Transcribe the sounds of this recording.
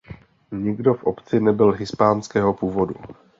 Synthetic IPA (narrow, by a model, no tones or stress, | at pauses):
ɲɪɡdo̞fʔo̞pt͡sɪnɛbɪlɦɪspaːnskɛːɦo̞puːvo̞du